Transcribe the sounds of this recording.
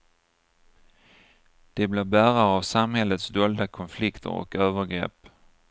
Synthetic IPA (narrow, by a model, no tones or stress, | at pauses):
d̪̥ɛbleːbæːɾaɾavsamhɛlət̪sd̪oːld̪akʰɔnflɪkt̪ʰə̰ɾɔ̰køːvəɾɡɾɛ̰pː